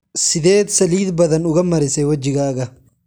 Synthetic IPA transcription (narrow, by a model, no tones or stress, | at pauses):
sɪd̪eːt̪sɐliːd̪bɐd̪ɐnʊɡɐmːɐɾɪseːwɐd͡ʒːɪɡɐːɡɐ